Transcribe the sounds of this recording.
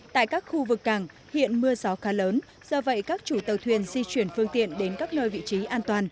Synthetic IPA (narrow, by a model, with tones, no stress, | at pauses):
t̪a̰ː˧˨jkaː˦˥k̚xu˧vɨ˨˩kːaː˧˩ŋ | hḭ˧˨ənmɨ˧əzɔ˨˦xaː˨˦ləː˨˦n | z̥ɔ˧və̰˧˨jkaː˦˥k̚t͡ɕu˧˩t̪ə˨˩wt̪ʰwi˧˩ənzi˧t͡ɕwi˧˩ənfɨ˧əŋt̪ḭ˧˨ənɗe˨˦nkaː˦˥k̚nəː˧jvḭ˧˨t͡ɕi˨˦ʔaː˧nt̪waː˨˩n